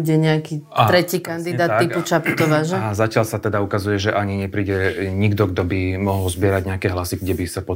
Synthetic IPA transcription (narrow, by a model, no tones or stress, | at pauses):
uɟɛɲɛakiːaɾɛciːkand̪id̪aːt̪ːiput͡ʃaput̪ɔʋaʒɛzacɪaʎsat̪ɛd̪aukazujɛʒɛʔaɲiɲɛpɾiːɟɛɲiɡd̪ɔɡd̪ɔbimɔɦɔlzbɪɛɾaɟɲɛakɛːɦlasiɡɟɛbisapɔ